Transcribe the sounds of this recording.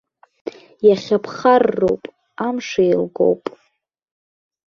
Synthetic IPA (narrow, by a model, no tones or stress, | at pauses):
jaχʲapʰχarːo̰wpʼ | amʂajlɡo̞̰wpʼ